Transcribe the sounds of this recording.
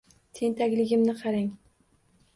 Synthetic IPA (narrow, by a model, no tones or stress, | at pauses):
t̪ʰent̪ʰakʲlɪɡʲɪmnɪqʰɑɾɪŋ